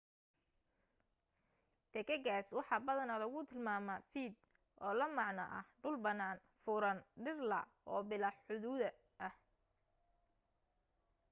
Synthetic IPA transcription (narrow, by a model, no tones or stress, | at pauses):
t̪ɛkʰɐɣaːswɑħɑːbɐðɐnɐlɐɣʊt̪ʰɪlmaːmɐfiːd̪ | ʔɔːlɐmɑʕnɐ̰ʔɐ̰hɖʊlbɐnaːn | fʊɾɐnɖɪrlɐ̰ʔɔːbɪlɑħħʊðuːðɐ | ʔɐh